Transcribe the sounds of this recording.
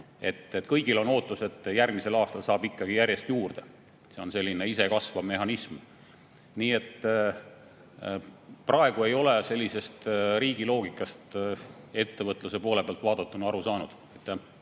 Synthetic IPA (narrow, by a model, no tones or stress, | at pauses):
e̞t̪ːet̪ːˑkɤjɡ̥ilo̞no̞ːt̪ːˑuse̞t̪ːˑjærɡ̥mise̞lɑːst̪ɑlsɑːb̥ikːɑɡ̥ijæɾʲje̞st̪juːrd̪̥e | se̞o̞nse̞lʲːine̞isekɑsvɑme̞hɑnism | niːe̞t̪ː | prʔɑe̞ɡ̥ue̞jo̞le̞se̞lʲːise̞st̪ɾiːɡ̥ilo̞ːɡ̥ikːˑɑst̪e̞t̪ːe̞vɤt̪ˑluse̞po̞ːle̞peɑlt̪vɑːd̪̥ɑt̪ːˑunɑɑɾusɑːnud̪̥ɑjt̪ːˑæ